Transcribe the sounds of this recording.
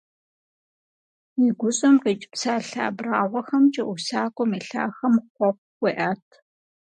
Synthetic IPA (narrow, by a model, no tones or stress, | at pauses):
iɡʷʊɕʼɐmqit͡ʃʼɪpsaːɬa̰ːbraːʁʷɔxɐmt͡ʃʼɐʔʷʊsaːkʷʼɔmeːɬa̰ːxɐmχʷɔp̚ʷwʷiʔaːtʰ